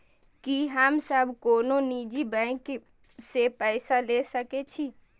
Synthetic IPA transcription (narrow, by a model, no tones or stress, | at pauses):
kiɦəmsəbʱkoːnonid͡ʒibɛ̃k | sepəɪsalesəket͡ʃʰi